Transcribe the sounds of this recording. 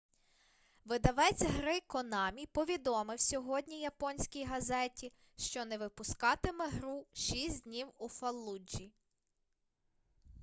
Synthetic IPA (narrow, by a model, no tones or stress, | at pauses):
ʋɪd̪ɐʋɛt͡sʲɦɾɪkɔnɑmʲipɔʋʲid̪ɔmɪwsʲɔɦɔdʲnʲijɐpɔnʲsʲkʲijɦɐzɛtʲi | ʃt͡ʃɔnɛʋɪpʊskɑt̪ɪmɛɦɾuʃisʲd̪ʲnʲiwufɐlˠːud͡ʒi